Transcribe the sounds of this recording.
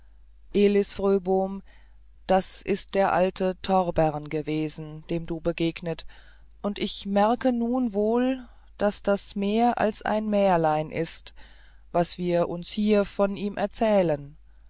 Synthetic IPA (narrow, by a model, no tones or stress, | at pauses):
ʔeːlɪsfʁøːboːm | d̥asʔɪst̚d̥eːɐʔaltʰətʰɔʁbɛʁnɡəveːzn̩d̥eːmduːbəɡeːɡnət | ʔʊntʔɪçmɛɐkənuːnvoːl | d̥asd̥asmeːɐʔa̰lsʔa̰ɪnmɛːɐlaɪnʔɪst | vasv̥iːɐʔʊnshiːɐfɔnʔiːmʔɛɐt͡sɛːlən